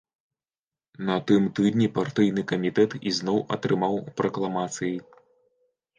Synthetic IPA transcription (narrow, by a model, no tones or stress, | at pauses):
nɐt̪ɨmt̪ɨd̪nʲipart̪ɨjnɨkɐmʲit̪ɛt̪ḭznɔwʔɐ̰t̪ɾɨmawpɾɐklˠamat̪sɨji